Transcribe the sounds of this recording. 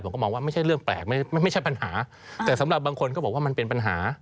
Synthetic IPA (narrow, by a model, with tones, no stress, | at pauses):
pʰmkɔː˥˩mɔː˧ŋwaː˥˩ma˥˩jʰa˥˩jɾɯ˥˩əŋplɛ̰ː˨˩k̚m˥˩˥jma˥˩jt͡ɕʰa˥˩jpa˧nhaː˩˦ | t̪ɛː˨˩sa˩˦mɾa˨˩p̚baː˧ŋkʰo˧nkɔː˥˩ɔː˨˩waː˥˩ma˧npe˧npa˧nɦaː˩˦